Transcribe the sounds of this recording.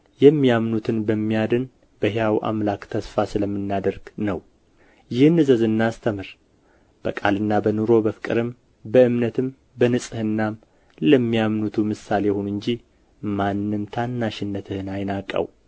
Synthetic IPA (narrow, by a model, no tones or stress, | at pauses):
jɛmːijamnut̪ʰɨnbəmːijad̪ɨn | b̥əɦejawʔa̰mlakt̪ʰəsfasɨləmːɨnːad̪əɾɡ̥nəw | jɪhnːɨzəzɨnːast̪ʰəmɨɾ | b̥əkʼalɨnːabənuɾo̞bəfɨ̥kʼɨɾɨm | bəɨmnət̪ʰɨm | bənɨsʼɨhɨnːa | ləmːijamnut̪ʰumɨsalehunɨɲd͡ʒi | manːɨmt̪ʰanːaʃɪnːət̪ʰɨhɨnajnakʼːə̰w